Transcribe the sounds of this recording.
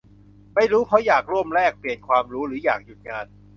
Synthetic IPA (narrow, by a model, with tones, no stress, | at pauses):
ma˥˩jɾuː˦˥pʰɔ˦˥jaː˨˩k̚ɾu˥˩əmɾɛː˥˩k̚pli˨˩ənkʰwaː˧mɾuː˦˥ɾɯː˩˦jaː˨˩k̚ju˨˩t̪̚ŋaː˧n